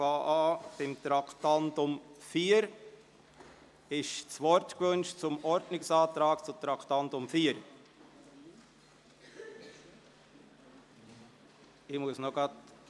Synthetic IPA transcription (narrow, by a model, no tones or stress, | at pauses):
fɑːʔɑːb̥ɪmt̪ɾɑktɑntʊmfiːəɾ | ɪʃt͡svɔɾtkvɵnʃt͡sʊmɔɾdnɪksɑːtɾɑːkt͡sʊt̪ɾɑktɑntʊmfiːəɾ | ɪmuəsnoɡɑt